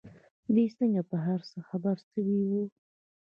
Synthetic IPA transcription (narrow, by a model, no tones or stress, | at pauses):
d̪esəŋɡapəɦaɾsəxabaɾsəwiwu